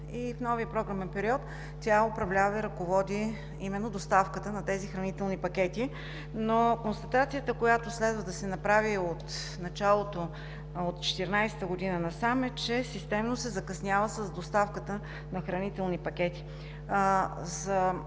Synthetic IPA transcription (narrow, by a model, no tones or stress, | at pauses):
ifnɔviəpɾɔɡɾamɛnpɛɾiɔt̪ːʲ | jaopɾɐvlʲavəiɾɐkovɔd̪i | imɛnːod̪ost̪afkət̪ənɐt̪ɛzixɾɐnit̪ɛlˠnipɐk̟ʲɛt̪i | nokonst̪ɐt̪at̪sijət̪əkojat̪oslɛd̪vəd̪ɐsɛnɐpɾaviot̪ | nɐt͡ʃalˠot̪o | ot̪t͡ʃɛ̥t̪ɛɾnajsɛ̥t̪əɡod̪inənɐsamɛt͡ʃɛsist̪ɛmnosɛzɐkɐsnʲjavəsəzd̪ost̪afkət̪ə | nɐxɾɐnit̪ɛlˠnipɐk̟ʲɛt̪i̥ | zɐ